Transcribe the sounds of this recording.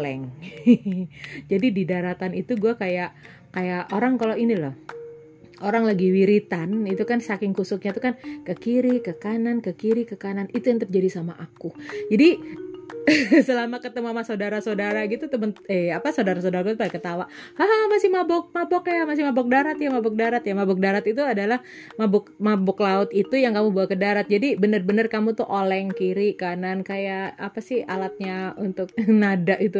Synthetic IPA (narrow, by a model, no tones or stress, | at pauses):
lɛŋ | d͡ʒadididaɾat̪anit̪uɡuakajaʔ | kajaʔoɾaŋkaloinilɔh | oɾaŋlaɡiwiɾit̪anit̪ukansakɪŋkusʊk̚ɲat̪ukankəkiɾikəkanankəkiɾikəkananit̪ujaŋt̪əp̚d͡ʒadisamaʔakud͡ʒadi | səlamakət̪əmamasodaɾasodaɾaɡit̪ut̪əmənəapasaodaɾas̬odaɾakut̪upalɛŋkət̪awaʔhaɦamasɪhmabɔk̚mabɔkajamas̬ɪhmabɔk̚daɾat̪jamabɔk̚daɾat̪jamabɔk̚daɾat̪it̪uadalah | mabɔkmabɔklaʊt̪it̪ujaŋkamubawakədaɾat̪̚d͡ʒadibənərbənərkamut̪uhʔolɛŋkiɾikanankajaʔapasɪha̰lat̪̚ɲaunt̪ʊk̚nadaʔit̪u